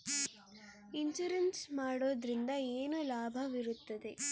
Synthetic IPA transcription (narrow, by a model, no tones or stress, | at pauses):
iɲd͡ʒuɾensmaːɽoːd̪ɾind̪ɐeːnulaːbʱɐʋiɾut̪ːɐd̪e̞